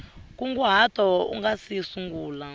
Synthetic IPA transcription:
k̬ʼuŋɡuɦat̪ɔṵŋɡasisuŋɡuːla

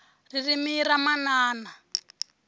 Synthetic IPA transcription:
ririmiɾamanaːna

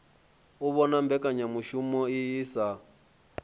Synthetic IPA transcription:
uβɔnambɛkʼaɲamuʃumɔijisa

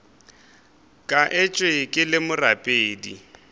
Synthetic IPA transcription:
kʼaʔɪt͡ʃʼwekʼɪlɪmʊrapʼeːdi

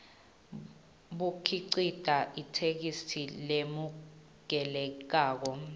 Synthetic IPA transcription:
ɓukʰiǀid̥ʱaʔitʰek̬isilemu | k̬ɛlɛk̬aːk̬ɔ

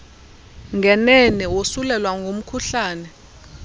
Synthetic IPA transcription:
ŋɡʱɛnɛnɛwosulɛlwaŋɡʱom̩kʰuɬaːnɛ

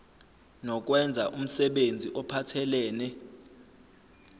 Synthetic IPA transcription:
nɔk̬ʼwɛnd͡zʱaʔum̩sɛɓend͡zʱiʔɔpʰatʰɛlɛːnɛ

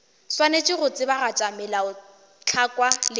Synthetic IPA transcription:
swanet͡ʃʼɪrʊt͡sʼɪbarat͡ʃʼamɪlaʊ | t͡ɬʰakʼwalɪ

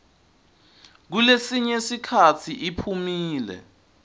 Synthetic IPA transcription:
k̬ulesiɲesikʰatʰiʔipʰumiːlɛ̰

